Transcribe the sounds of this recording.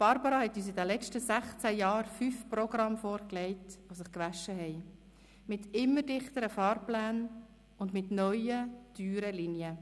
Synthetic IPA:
b̥ɑɾbɑɾɑhɛt̪ːyːs̬idɛlɛt͡ʃtəsæχt͡sæjɑːɾfyːfprɔɡɾɑmfoːɾklɛɪtʋosɪχkʋæʃːəɦɛɪ | mɪtɪmːədɪχt̪əɾəfɑːɾplæːn | ʊndmɪtnœʏəd̥yːɾəlinjə

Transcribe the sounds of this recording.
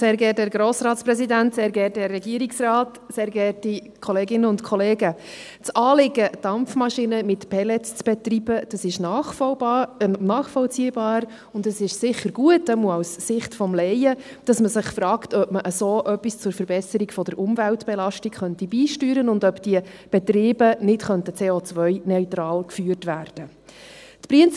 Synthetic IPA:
seːɾɡɛːtdɛːɾɡɾoːsɾɑːtspɾɛsidæntseːɾɡɛːt̚dɛrːɛɡiəɾiksrɑːt | seːɾɡɛːtikʰɔleːɡɪnəʊntkʰɔleːɡə | t͡sɑːlɪɡəd̥ɑmfmɑʃinəmɪtpʰɛlɛt͡st͡sb̥ɛt̪rib̥əd̥ɑsɪʃnɑ | nɑːχfɔlt͡siːəbɑːɾ | ʊndəsɪʃsɪχːəɾɡuətɛmuəawssɪχtfɔmlɛjə | d̥ɑsməsɪχfɾɑːktœpməʔəsoːʔœpːist͡sʊɾfəɾbɛsəɾiɡfɔd̥əɾʔʊmvæltb̥ɛlɑʃtikχœntibiːʃtyːɾənʊndœpd̥iə | b̥ɛtɾiːbənɪtχœntət͡seːoːt͡sʋœʏnœʏtɾɑːlkfyːərtvʋæːrd̥ə | tpɾiənt͡s

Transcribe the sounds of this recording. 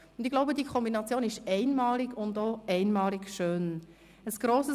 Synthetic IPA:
ʊndɪɡlaʊbədiəkʰɔmbinɑt͡sjoːnɪʃɛɪnmɑːlɪɡʊndoʔɛɪnmɑːlɪɡʃøːn | əsɡ̥ɾoːsə

